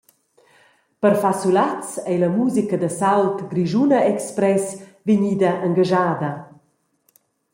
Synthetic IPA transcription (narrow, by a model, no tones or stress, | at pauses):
pəɾfasulat͡sɛjləmuzikəd̪əsalt̪ɡɾiʒunɐɛkspɾɛsviɲid̪əʔəŋɡaʒaːd̪ə